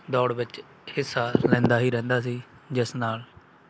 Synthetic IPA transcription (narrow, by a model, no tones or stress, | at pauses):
d̪ɔːɽʋɪt͡ʃ | hɪsːaːlɛ̃ːnd̪aːɦiːɾɛ̃ːnd̪aːs̬iː | d͡ʒɪsnaːl